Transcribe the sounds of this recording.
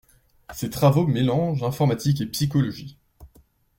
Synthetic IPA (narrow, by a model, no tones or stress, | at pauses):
set̪χavomelɑ̃ʒɛ̃fɔʁmat̪ik̬epsikɔlɔʒi